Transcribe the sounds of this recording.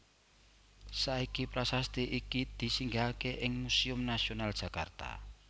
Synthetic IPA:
saikipɾasast̪iʔikid̪̥i̤siŋɡakeʔɪŋmusiʊmnasionald̥ʒ̥a̤kart̪a̰

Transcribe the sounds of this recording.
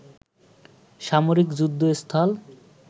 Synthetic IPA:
ʃamoɾikd͡ʑud̪ʱːoest̪ʰal

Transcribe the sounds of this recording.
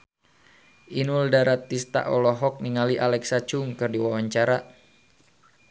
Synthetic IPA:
ʔinuldaɾat̪ːist̪a̰ʔɔlɔɦɔk̚niŋaliʔalɛksat͡ʃʊŋkɨrdiwawaɲt͡ʃaɾa

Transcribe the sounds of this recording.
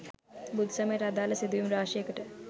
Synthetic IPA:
bud̪ʱsɐmeːʈɐd̪aːlɐsed̪juːmɾaːʃekəʈə

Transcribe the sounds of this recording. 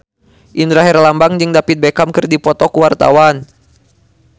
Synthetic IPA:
ʔindɾaɦɛrlambaŋd͡ʒɨŋdapit̪̚bekamkɨrdipɔt̪ɔkuwart̪a̰wan

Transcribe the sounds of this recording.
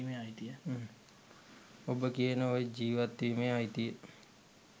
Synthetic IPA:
imẽaːit̪ie | obəkienəoed͡ʒiːʋət̪imẽaːit̪ie

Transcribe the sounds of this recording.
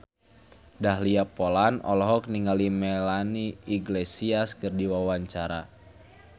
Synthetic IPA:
daɦliapolanɔ̰lɔɦɔk̚niŋalimɛlaniiɡlesiaskɨrdiwawaɲt͡ʃaɾa̰

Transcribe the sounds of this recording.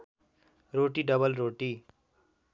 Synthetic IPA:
roʈiɖʌbʌlɾoːʈi

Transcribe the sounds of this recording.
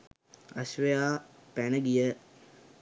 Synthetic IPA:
əsʋəjaːpænəɡijə

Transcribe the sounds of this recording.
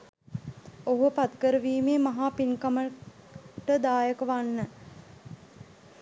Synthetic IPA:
oɦupat̪kəɾəʋiːmeːmɐɦaːpinkamə | ʈəd̪aːjəkəʋanːə

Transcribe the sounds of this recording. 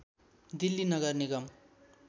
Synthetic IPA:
d̪ilːinʌɡʌrniɡʌm

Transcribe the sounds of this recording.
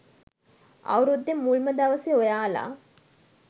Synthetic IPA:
ɐ̰wɾud̪ːemːulməd̪ɐʋəseojaːla̰ː

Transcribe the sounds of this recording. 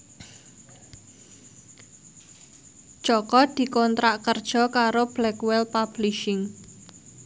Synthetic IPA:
d͡ʒʒ̥ɔkɔd̪̥i̤kɔnt̪ɾaʔkərd̥ʒ̥ɔ̤kaɾob̥lɛkwɛlpab̥liʃɪŋ

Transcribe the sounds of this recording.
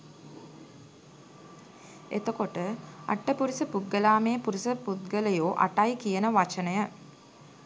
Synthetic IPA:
et̪əkoʈəa̰ʈːəpuɾisəpud̪̚ɡəlaːmeːpuɾisəput̪̚ɡəlejoːʔa̰ʈajkijənəʋat͡ʃənəjə

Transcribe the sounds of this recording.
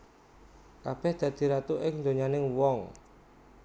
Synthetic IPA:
kab̥ɛhd̪̥ä̤d̪̥i̤ɾat̪uʔɪŋnd̪oɲanɪŋwɔŋ

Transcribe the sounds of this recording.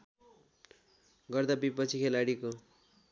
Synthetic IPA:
ɡʌrd̪abipʌt͡sʰikʰelaɽiko

